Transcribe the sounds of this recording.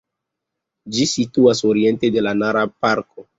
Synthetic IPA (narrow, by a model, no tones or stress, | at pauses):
d͡ʒisituasoɾie̞ntedelanaɾapaɾko